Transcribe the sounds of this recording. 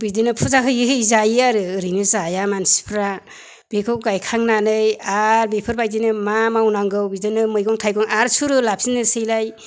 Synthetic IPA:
bidɯnɯpʰuzakʰɯjɯɦʰɯjzajiaɾɯɾɯjnɯzajamansi̥pʰɾa | b̥ekʰɯwɡajkʰaŋnanɯjaɾbepʰɯɾbajd̬inɯmamawnaŋɡɯwbidɯnɯmɯjɡɔŋtʰajɡɔŋaɾsuɾɯlap̚sinːɯsɯjlaj

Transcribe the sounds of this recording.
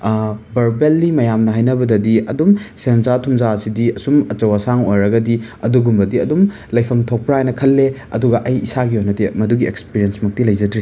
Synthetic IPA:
bɐɾbelːimɐjamnɐɦajnɐbɐdɐdiɐ̰dumsenzatʰumzasidiɐsumɐt͡ʃɐwɐsaŋo̰jɾɐɡɐdiɐduɡumbɐdiɐdum | lɐjpʰɐmtʰok̚pɾaajnɐkʰɐlːeɐ̰duɡɐʔɐjisaɡiojnɐdimɐduɡiekspiɾiensmɐk̚tilɐjd͡ʒɐdɾi

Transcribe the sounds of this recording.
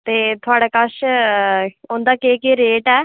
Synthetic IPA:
t̪eːt̪ʰʊaːɽaːkəʃ | ʊnd̪aːkeːkeːɾeːʈɛː

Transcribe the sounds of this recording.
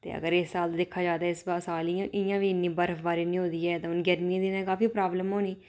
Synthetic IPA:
t̪ḛːə̰ɡəɾɪsːaːlt̪ːd̪ɪkʰːaːd͡ʒaːd̪aːɪsbaːsaːliãʔɪjãːʋiːɪnːiːbəɾəfbaːɾiːnĩːɦõːd̪iːɛːt̪ãːʊnɡɛɾmiãːd̪iːnãːkaːfiːpɾaːbləmɦoːniː

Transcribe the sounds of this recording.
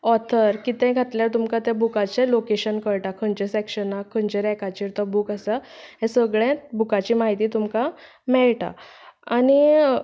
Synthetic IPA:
ɔt̪ʰəɾkit̪ɛ̃ɡʱat̪ljaɾt̪umkat̪jabukat͡ɕɛlokeɕənkəɾʈakʰənd͡ʑesɛkɕənakʰːənd͡ʑeɾɛkat͡ɕiːɾt̪ɔbuːkasaɦɛ̃səɡɭɛ̃bukat͡ɕiːmaɦit̪iːt̪umka | mɛɭʈa̰ani

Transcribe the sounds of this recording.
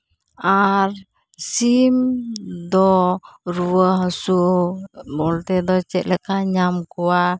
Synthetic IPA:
ar | simdɔɾuəhsu | bɔlt̪ɛd̪ɔt͡ʃɛʔlɛkaɲamkua

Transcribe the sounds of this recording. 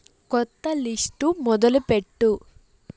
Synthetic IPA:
kɔt̪ːɐlisʈumɔd̪ɐlupeʈːu

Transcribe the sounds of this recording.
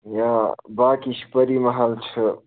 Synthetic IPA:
jãbaːkiʃʰpəɾimɐɦalt͡ʃʰɨ

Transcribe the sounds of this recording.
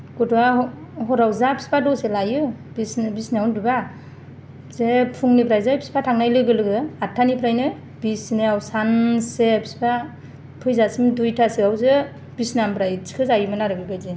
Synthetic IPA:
ɡɔda | ɦɔɾawzapʰi̥spadɔselajɯ | bisnɯbisneawndiba | zepʰuŋnipʰɾajzepʰi̥si̥pʰatʰaŋnajlɯɡɯlɯɡɯatʰːanipʰɾajnɯ | bisneawsansepʰi̥spa | pʰɯjzasimdujtʰasiawzɯ | bisnampʰɾajt͡ʃʰi̥kʰɯzajɯmɯnaɾɯɡɯɡajze

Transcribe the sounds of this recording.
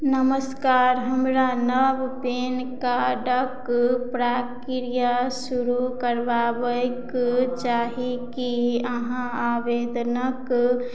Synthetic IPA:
nəməskaːɾɦəmɾanəbpeːnkaɖəkpɾaːkiɾijasuɾukəɾʋaːbəkt͡ʃaːɦikiəɦãaːʋeːd̪nək

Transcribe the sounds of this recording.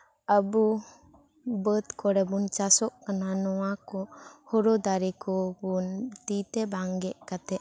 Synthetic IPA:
əbu | bət̪kɔɽɛbunt͡ʃasɔʔkananɔwakɔhɔɾɔd̪aɾɛkɔbunt̪it̪ɛbaŋɡɛʔkat̪ɛʔ

